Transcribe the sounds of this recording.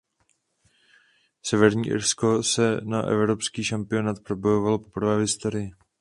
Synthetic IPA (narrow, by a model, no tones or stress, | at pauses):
sɛvɛɾɲiːʔɪ̰ɾsko̞sɛna̰ʔɛ̰vɾo̞pskiːʃampɪo̞naːt̪pɾo̞bo̞jo̞valo̞po̞pr̩vɛːɦɪst̪o̞ɾɪjɪ